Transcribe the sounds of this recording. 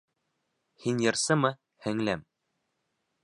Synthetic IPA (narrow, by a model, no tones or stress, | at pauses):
hinjɤ̆ɾsɤmɤ | hɘ̆ŋlæm